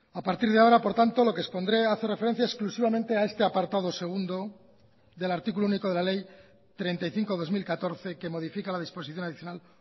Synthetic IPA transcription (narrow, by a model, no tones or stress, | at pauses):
apaɾt̪iɾð̞eao̞ɾapo̞ɾt̪ant̪o̞lo̞kespo̞nd̪ɾe̞aθe̞refe̞ɾe̞n̟θjaesklusiβamẽnt̪e̞aest̪e̞apaɾt̪aðo̞se̞ɣ̞und̪o̞ | ðe̞laɾt̪ikulouniko̞ð̞e̞lale̞j | t̪ɾe̞nt̪ajθiŋko̞ðo̞zmilkat̪o̞ɾθe̞ke̞mo̞ð̞ifikalaðispo̞siθjo̞naðiθjo̞nal